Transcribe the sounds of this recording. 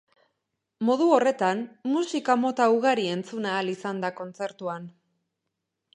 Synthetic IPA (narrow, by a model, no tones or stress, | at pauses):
mo̞ðuo̞re̞t̪anmusikamo̞t̪auɣaɾie̞nt͡sunaːlisand̪ako̞nt͡se̞ɾt̪uan